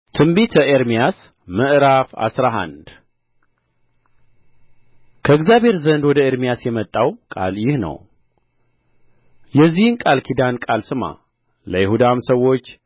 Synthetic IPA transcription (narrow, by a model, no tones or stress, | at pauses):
t̪ʰɨmbit̪ʰəʔeɾmijas | məʔɾafa̰sɾaɦa̰nd̪ | kʰəɨɡzjaβʱhe̞ɾzənd̪wɔd̪əeɾmijasjɛmət̪ʼːawkʼa̰ljɪhnə̰w | jɛzːihɨnkʼalkʰid̪ankʼalsɨma̰ | ləjɪhud̪amsəwːo̞t͡ʃː